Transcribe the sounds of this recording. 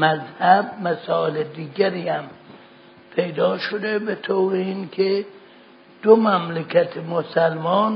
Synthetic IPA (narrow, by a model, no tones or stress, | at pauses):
mæzhæb̚mæsɒːeled̪iːɡæɾiːhæm | pʰe̞jd̪ɒːʃod̪ebet̪ʰowɾeinkʰe | d̪̥omæmlekʰæt̪ʰemosælmɒːn